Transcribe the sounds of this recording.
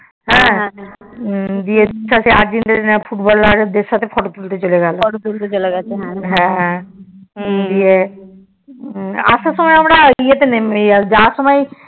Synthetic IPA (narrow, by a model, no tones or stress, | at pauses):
ɦɛ̃ | d̪ieʃaseaɾd͡ʑint̪enfʰuʈbɔlːaɾd̪esat̪ʰefʰɔʈot̪ult̪et͡ɕoleɡalɔʈot̪ult̪et͡ʃoleɡɛt͡ʃʰeɦɛ̃ɦɛ̃ | d̪ie | a̰sʰasɔmajamɾaijet̪enemd͡ʒasɔmaj